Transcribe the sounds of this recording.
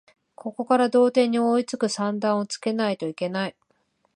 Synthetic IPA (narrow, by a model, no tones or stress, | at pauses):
kʰo̞ko̞kaɾad̪o̞ːt̪ẽ̞ɲ̟ːio̞it͡sɨkɯ̟sãnd̪ãɰ̃o̞t͡sɨ̥ke̞nait̪o̞ike̞nai